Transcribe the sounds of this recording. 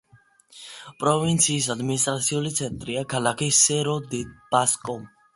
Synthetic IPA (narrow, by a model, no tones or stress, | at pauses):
pʼɾɔvint̪sʰiːs̬ad̪minis̬t̪ʼɾat̪sʰiulit̪sʰɛnt̪ʼɾiakʰalakʰisɛɾɔd̪ib̥askʼɔm